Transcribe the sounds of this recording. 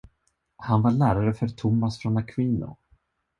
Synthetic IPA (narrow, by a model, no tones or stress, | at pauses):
hanvaɭæːɾaɾəfœɾt̪ʰʊmːasfɾɔnakʰwiːnʊ̰